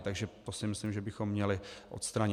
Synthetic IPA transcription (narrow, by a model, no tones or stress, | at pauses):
t̪aɡʒɛt̪osɪmɪslimʒɛbɪxomːɲɛlɪʔo̰t̪st̪ɾaɲ